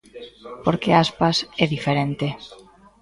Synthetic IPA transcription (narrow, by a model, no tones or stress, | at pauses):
poɾkeaspasɛðifeɾent̪e